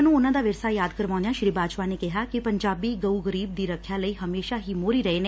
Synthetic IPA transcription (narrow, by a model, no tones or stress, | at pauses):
nũːʊnãːd̪aːʋɪɾsaːjaːd̪kəɾʋãːʊ̃nd̪ejãːʃɾiːbaːd͡ʒpaːneːkɪɦaːkɪpəɲd͡ʒaːbiːɡəuːɡəɾiːb̚d̪iːɾəkʰːjaːləiːɦəmeːʃaːɦiːmoːɾiːɾəeːne